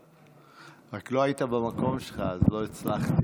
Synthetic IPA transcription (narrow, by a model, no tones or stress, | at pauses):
ʁaklo̞ait̪abamako̞mʃelχaazlo̞it͡slaχt̪i